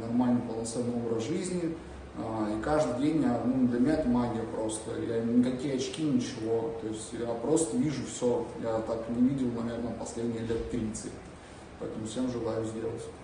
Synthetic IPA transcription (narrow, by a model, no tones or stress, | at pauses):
nɐrmalʲnɨjpəlˠnɐt̪sɛnːɨɪo̞bɾəzʐɨzʲnʲɪ | aikaʐd̪ɨdʲenʲjanud̪lʲɐmʲɪnʲaɛt̪əmaɡʲɪjəpɾo̞st̪əjanʲɪkɐkʲijəɐt͡ɕkʲinʲɪt͡ɕɪvot̪o̞ɪsʲtʲjapɾo̞st̪əvʲiʐʊfsʲojat̪aknʲɪvʲidʲɪlˠnɐvʲe̞rnəpɐsʲlʲedʲnʲɪjəlʲet̪t̪ːɾʲit̪sɨ | pɐɛt̪əmʊfʲsʲe̞mʐɨlˠajʊzʲdʲe̞lˠətʲ